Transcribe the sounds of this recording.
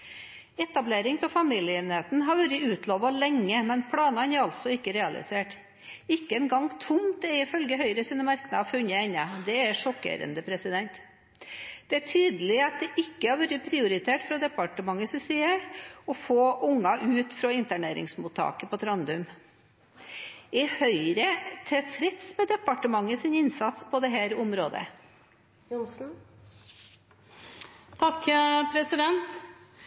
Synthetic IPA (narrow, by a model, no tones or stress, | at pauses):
ɛt̪ɑbleːɾɪŋt̪ʰɛlfɑmiːljəeːneːt̪n̩ɦɑɾʋʉɾəʉːt̪ʰloːʋɑlɛŋːəmɛnpʰɽɑːnɑnɛɾɑlt̪sɔɪkːəɾɛɑlɪ̰seːʈ | ɪkːəɛnɡɑŋt̪ʰʊmt̪ɛɾɪfœlɡəɦœʏɾəsiːnəmɑɾknɑɑfʉɲːəɛnːɑd̪ɛæɾʂɔkːḛːɾə̰nd̪əpʰɾɛsɪd̪ɛnt̪ | d̪̥ɛæʈʰyːd̪əlɪɑt̪̚d̪ɛʔɪkːəhɑɾʋʉɾəpʰɾɪʊɾɪt̪ʰeːʈfɾɑd̪ɛpɑʈəmɑŋːəsɛsiɛɔfoːʔʊŋːɑʔʉːt̪fɾɑɪnt̪æɳeːɾɪ̰ŋsmuːt̪ʰɑ̰ːkəpɔt̪ʰɾɑnd̪ʉm | ɪhœʏɾət̪ʰɛfɾɛt̪smɛd̪ɛpɑʈəmɑŋːəsɪnɪnsɑt̪spʰɔd̪ɛɦæːɾʊmɾoːd̪ə̰ | ʊsn̩ | t̪ʰɑkːpʰɾɛsɪd̪ɛnt̪